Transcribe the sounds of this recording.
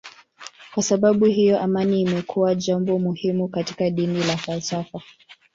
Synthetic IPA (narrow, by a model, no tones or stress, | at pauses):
kwasaɓaɓuɦijɔʔamaniːmɛkʰuwaʄambɔmuhimukati̥kaɗinilafalsafa